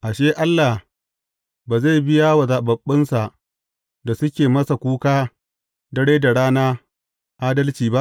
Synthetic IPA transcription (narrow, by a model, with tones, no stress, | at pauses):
ʔa˨ʃeː˦ʔa˦lːa˨h | baː˨za˦˨bɪ˦jaː˦wa˨za˨ɓɐ˨ɓːɪ˦nsa˨ʔ | da˨sʊ˦kʲeː˨mɐ˦sa˨kʷuː˦kaː˦ | dɐ˦ɽeː˦da˨ɽaː˦naː˦ | ʔaː˦dɐ˦lt͡ʃiː˨ba˦ʔ